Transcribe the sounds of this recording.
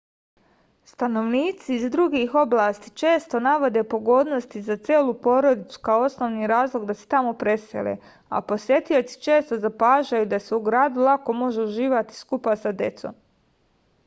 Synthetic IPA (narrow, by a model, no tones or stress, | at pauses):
st̪ano̞ʋniːt̪siːzd̪ɾuɡixo̞blaːst̪it͡ʃeːst̪o̞naʋo̞d̪e̞po̞ɡo̞ːd̪no̞st̪izat̪sʲjeːlˠupo̞ɾo̞d̪it̪su̥kaoo̞snoʋniːɾaːzlˠo̞ɡd̪ase̥t̪amo̞pɾe̞sḛlḛ | a̰po̞sje̞t̪io̞t̪si̥t͡ʃe̞ːst̪o̞zapaːʒajud̪ase̞uɡɾaːd̪ulˠako̞mo̞ʒeuʒiːʋat̪i̥skupasad̪e̞t̪so̰m